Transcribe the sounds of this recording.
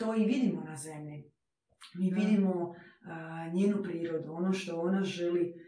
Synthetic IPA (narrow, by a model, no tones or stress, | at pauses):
t̪oːiʋid̪imonaze̞mʎi | miʋid̪imo | ɲeːnupɾiːɾo̞d̪uonoʃt̪o̞onaʒeli